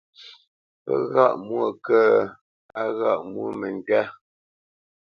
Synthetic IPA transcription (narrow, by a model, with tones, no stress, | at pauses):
pə˦ɣa˦˨ʔmwo˦˨kə˦ | a˦ɣa˦˨ʔmwu˦˨mɛ˨ŋ˨kɛ˦